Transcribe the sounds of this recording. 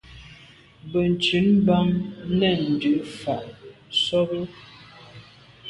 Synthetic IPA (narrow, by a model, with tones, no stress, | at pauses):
bə˨n˨t͡ʃi˨˦nba˦mnɛ˦˨n̩˨dʉ˨˦fa˨ʔsɔ˦bə˦